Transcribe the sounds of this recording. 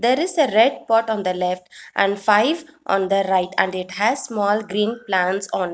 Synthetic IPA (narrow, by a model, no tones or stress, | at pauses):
d̪eːɾɪzeɾɛɖpɔːʈɔ̃ːnd̪əlɛfʈʔæ̃ɳɖfaɪʋʔɔ̰̃ːnd̪əɾaɪʈæ̰̃ɳɖɪʈhæzsmɔːlɡɾĩːnplãɳʈsɔ̃ːn